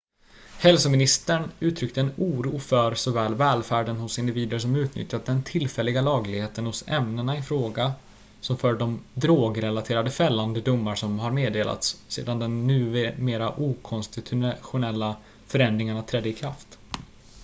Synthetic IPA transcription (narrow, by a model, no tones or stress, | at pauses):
hɛlsɔmɪnɪst̪əɳʉ̟ːt̪ʰɾʏk̚t̪əɛnuːɾuːfœɾsɔvɛːlvɛːlfæːɖənhʊsɪnd̪ɪviːd̪əɾʂɔmʉ̟ːt̪nʏ̰t̪ʰjːat̪̚d̪ɛnt̪ʰɪlfɛlːɪɡalɑːɡlɪɡheːt̪ənhʊsɛ̰mnənaɪfɾoːɡa | sɔmfœːɖɔmd̪ɾoːɡɾɛlat̪ʰeːɾad̪əfɛlːand̪əd̪ʊmːaɾʂɔmɦaɾmeːd̪eːlʔa̰t̪sːḛːd̪and̪ɛnːʉ̟ːmeːɾaʔuːkʰɔnst̪ɪt̪ʰʊɧʊnɛlːa | fœɾɛnd̪ɾɪŋaɳat̪ʰɾɛd̪ːəɪkʰɾaft̪